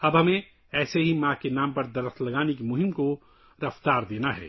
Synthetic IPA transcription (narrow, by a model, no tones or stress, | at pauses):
ɐbɦɐmẽ | ɛːseɦimãːkenaːmpɐɾd̪ɐɾəxt̪ʰlɐɡaːnekemʊɦɪmko | ɾɐft̪aːɾd̪eːnaɦɛ̰ː